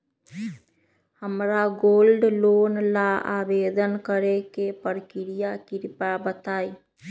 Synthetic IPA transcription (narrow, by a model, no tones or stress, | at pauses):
həmɾaɡoːlɖloːnlaaːbeːd̪ənkəɾekepəɾkɪɾijakɪɾpabət̪aːi